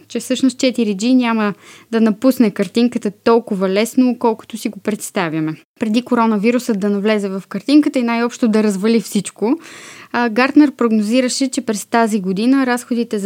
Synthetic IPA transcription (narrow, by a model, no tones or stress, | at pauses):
t͡ʃɛfsɤʃnost̪̚t͡ʃɛt̪iɾid͡ʒinʲaməd̪ɐnɐpusnɛkɐɾt̪iŋkət̪ət̪ɔlˠkʊvɐlɛsnoːkɔlˠkʊ̥t̪osiɡopɾɛt̪st̪avjɐmɛ | pɾɛd̪ikoɾɔnəviɾusəd̪ɐnɐvlɛzɛvɐfkɐɾt̪iŋkət̪əinajɔpʃt̪od̪ɐɾəzvɐlifsit͡ʃko | ɡaɾd̪nɛɾpɾoɡnoziɾəʃɛt͡ʃɛpɾɛst̪aziɡod̪inəɾasxod̪it̪ɛz